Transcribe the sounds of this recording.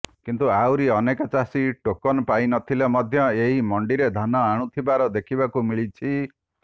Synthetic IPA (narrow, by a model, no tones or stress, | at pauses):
kint̪uawɾiɔnekat͡ʃasiʈokɔnpajnɔt̪ʰilemɔd̪ʱjɔeɦimɔɳɖiɾed̪ʱanɔaɽ̃ũt̪ʰibaɾɔd̪ekʰibakumiɭit͡ʃʰi